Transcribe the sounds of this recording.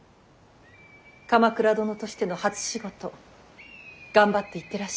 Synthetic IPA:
kamakɯ̟ɾad̪o̞no̞t̪o̞ɕi̥t̪e̞no̞hat͡sɨ̥ɕiɡo̞t̪o̞ | ɡ̥ãmbat̪ːe̞it̪ːe̞ɾaɕ

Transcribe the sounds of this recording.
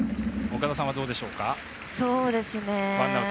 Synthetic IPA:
okad̪asãβad̪oːd̪e̞ɕo̞ːka | so̞ːd̪e̞sɨnemãa

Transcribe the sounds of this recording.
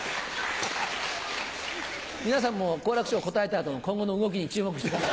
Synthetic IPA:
mʲinas̬ãmːoko̞ːɾakɯ̟ɕioko̞t̪ae̞t̪aːt̪onokõ̞ŋɡo̞no̞ɯ̟ɡo̞k̬ʲiɲ̟it͡ɕɨːmo̞kɯ̟i̥t̪ekaa

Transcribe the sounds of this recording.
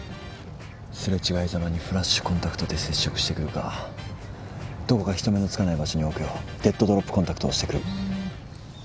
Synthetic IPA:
sɨɾet͡ɕiɡaizamaɲ̟iɸɯ̟ɾaɕːɨ̥kõnt̪akɯ̟̥t̪o̞d̪e̞se̞ɕːo̞kɯ̟̥ɕi̥t̪e̞kɯ̟ɾɯ̟ka̰ | d̪̥o̞ko̞kaçi̥t̪o̞me̞no̞t͡sɨ̥kanaibaɕo̞ɲ̟io̞kejod̪̥e̞t̪ːo̞d̪o̞ɾopːɯ̥kõ̞t̪akɯ̥t̪o̰ːɕi̥t̪ekɯ̟ɾɯ̟

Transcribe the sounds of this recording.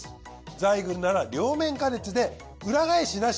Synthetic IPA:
d͡zaiɡɯ̟̃nnaɾaɾʲo̞ːmẽ̞ŋkane̞t͡sɨd̪e̞ | ɯ̟ɾaɡaeɕina

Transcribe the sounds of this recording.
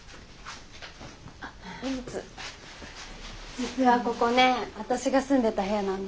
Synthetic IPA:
at͡sɨ | d͡ʑit͡sɨβako̞ko̞nẽ̞βat̪aɕiɡasɨ̃nd̪e̞t̪aɦe̞janãnd̪e

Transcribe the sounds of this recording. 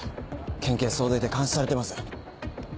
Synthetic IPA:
kʰẽŋke̞ːso̞ːd̪oit̪e̞kãɰ̃ɕi̥saɾe̞t̪emasɨ̥

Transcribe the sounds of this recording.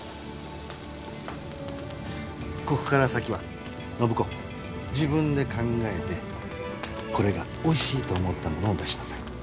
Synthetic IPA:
ko̞kɯ̥kaɾasakʲiβa̰ | no̞bɯ̟ko̞ | d͡ʑibɯ̟̃nd̪e̞kãŋɡae̞t̪e̞ | ko̞ɾe̞ɡa | o̞iɕiːt̪o̞ːmo̞t̪ːamo̞no̞ːd̪aɕi̥masẽ

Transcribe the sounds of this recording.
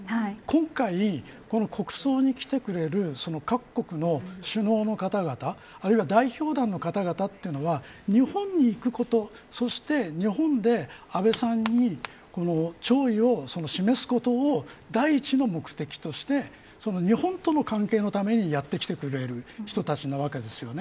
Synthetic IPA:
kõ̞ŋkai | ko̞no̞kʰo̞kɯ̟̥so̞ːɲ̟ikʲi̥t̪e̞kɯ̟ɾe̞ɾɯ̟so̞no̞kakːo̞kɯ̟no̞ɕɨno̞ːno̞kat̪aɡat̪aː | ɾɯ̟iβad̪aiçʲo̞ːd̪ãnːo̞kat̪aɡat̪at̪ːeiɯ̟no̞βa | ɲ̟ihõ̞ɲ̟ɲiːkɯ̟ko̞t̪o̞ | so̞ɕi̥t̪e̞ɲ̟iɦõ̞nd̪e̞abe̞sãɲ̟ːi | ko̞no̞t͡ɕo̞ːio̞so̞no̞ɕime̞sɨ̥ko̞t̪o̞ːd̪aiːt͡ɕino̞mo̞kɯ̟̥t̪e̞kʲi̥t̪o̞ɕi̥t̪e̞ | so̞no̞ɲ̟ihõ̞nt̪o̞no̞kãŋke̞ːno̞t̪ame̞ɲ̟ijat̪ːe̞kʲi̥t̪e̞kɯ̟ɾe̞ɾɯ̟çi̥t̪o̞t̪at͡ɕinoβake̞d̪e̞sɨjo̞ne̞

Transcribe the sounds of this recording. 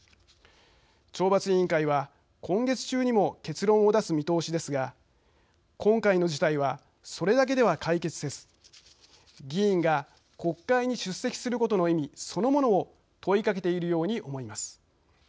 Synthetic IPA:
t͡ɕo̞ːbat͡sɨĩŋkaiβa | kʰõ̞ŋɡe̞t͡sɨ̥t͡ɕɨːɲ̟imo̞ke̞t͡sɨɾõ̞ɰ̃o̞d̪asɨmʲit̪o̞ːɕid̪e̞sɨɡa | kʰõ̞ŋkaino̞d͡ʑit̪aiβ̞a | so̞ɾe̞d̪ak̬e̞d̪e̞βakaike̞t͡sɨd̪e̞sɨ̥ | ɡʲĩːŋɡa | ko̞kːaiɲ̟iɕɨsːe̞kʲi̥sɨɾɯ̟ko̞t̪o̞no̞imʲiso̞no̞mo̞no̞ː | t̪o̞ikak̬e̞t̪e̞iɾɯ̟jo̞ːɲ̟iʔo̞mo̞imasɨ̥

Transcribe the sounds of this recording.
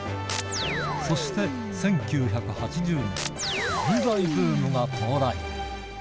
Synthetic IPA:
so̞ɕi̥t̪e̞ | sẽ̞ŋkʲɨːçakɯ̟hat͡ɕiʑɨːɲḭ̃id̪aiɸɯːmɯɡak̪ʰooɾai

